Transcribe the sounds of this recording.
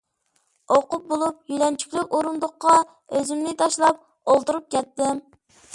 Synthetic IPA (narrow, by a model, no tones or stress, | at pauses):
oqʊp̚bolˠup̚jylɛnt͡ʃʰy̥kʲlɪkʲoɾund̪ʊqːɑ | øzymnɪt̪ʰɑʃlˠɑp̚ | olˠt̪uɾup̚kʲɛt̪ːɪm